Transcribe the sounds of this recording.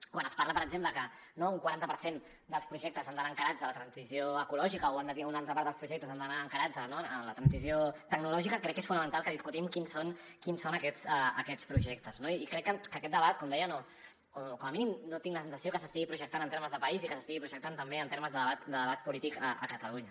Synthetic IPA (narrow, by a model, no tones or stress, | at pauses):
kwanəspaɾrləpəɾəɡzempləkə | nouŋkwaɾant̪əpəɾsen | d̪əlˠspɾuʒɛk̚t̪əzanənaəŋkəɾad͡zðələt̪ɾənzizioəkulɔʒikəoand̪ət̪iunalˠt̪ɾəpaɾt̪d̪əlˠspɾuʒɛk̚t̪əzand̪ənaːŋkəɾad͡zənoələt̪ɾənsizjot̪əɡ̚nulɔʒikəkɾɛkːesfunəmə̃nt̪alˠkəðiskut̪imkinson | kinsonəkɛsaəkɛt͡spɾuʒɛk̚t̪əznoiːkɾɛkːəkəkɛt̪d̪əβat̪̚kɔmd̪ɛjəno | okɔməminimnot̪iŋɡləsənsəsiokəsəst̪iɣipɾuʒək̚t̪anənt̪eɾməzðəpɐizikəsəst̪iɣipɾuʒək̚t̪ant̪əmbeənt̪eɾməzðəəβat̪d̪əðəβat̪̚pulit̪ikəʔə̰kət̪əluɲə